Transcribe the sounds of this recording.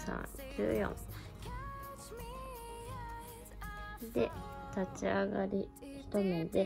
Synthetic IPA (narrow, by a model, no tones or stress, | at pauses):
sã̰ŋ | kʲʰɨːjõ̰ŋ | d̪e̞t̪at͡ɕiaɡaɾʲi | çi̥t̪omod̪e̞